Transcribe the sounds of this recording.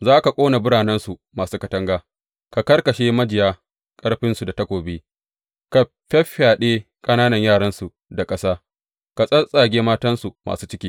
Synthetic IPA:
zaː˦ka˨kʷʼoː˦na˨bʊ˦ɽaː˨nɛ˦nsu˨maː˨suː˦kɐ˨tɐ˦ŋɡaː˦ | ka˨kɐ˦rkɐ˨ʃeː˦mɐ˦d͡ʒɪ˨jaː˦ | kʼɐ˦ɽɸɪ˦nsu˨da˨tɐ˦kʷoː˨beː˦ | ka˨ | ɸʲɐ˦ɸaː˨ɗeː˦ | kʼɐ˦naː˦nɐ˨ɲjaː˦˨ɽɐ˦nsu˨ | da˨kʼɐ˦saː˦ | ka˨sʼɐ˦sʼaː˨ɡʲeː˦maː˦tɐ˦nsu˨mʔa̰ː˨suː˦t͡ʃɪ˦kʲiː˦

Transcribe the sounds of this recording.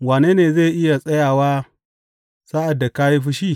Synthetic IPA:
waː˨neː˦neː˨zeː˦˨ʔɪ˦ja˨sʼɐ˦jaː˨waː˦ | saː˦ʔa˨dːa˨ka˦ji˦ɸɪ˦ʃiː˦˨

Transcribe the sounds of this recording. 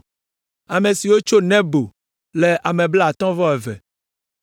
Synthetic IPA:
a˨mẽ˨si˨wo˦t͡ʃo˦nɛ̃˦bo˨ | le˨ʔa˨mɛ̃˨bla˦a˨t̪ɔ̃˦vɔ˦ɛ˨vɛ̰˨

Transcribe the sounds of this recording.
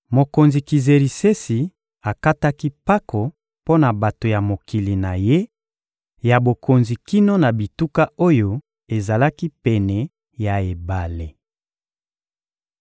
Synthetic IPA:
mo˨ko˨nzi˨ki˨ze˨ʁi˨se˦si˨ | a˨ka˦ta˦ki˦pa˦kʰo˨ | po˦na˨ba˨to˨ja˨mo˨ki˨li˨na˨je˦ | ja˨bo˨ko˨nzi˨ki˦no˦na˨bi˨tu˦ka˦o˦jo˨ | e˨za˨la˦ki˦pɛ˨nɛ˨ | ja˨e˨ba˨le˨

